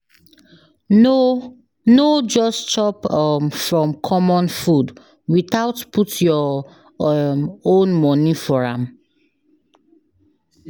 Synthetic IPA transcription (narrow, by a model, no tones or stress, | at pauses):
no | nod͡ʒɔst͡ʃɔpmfɹɔ̃mkʰɔmɔ̃nfud | wiθaʊtputʰjɔ | õnmɔnifɔɹã̰m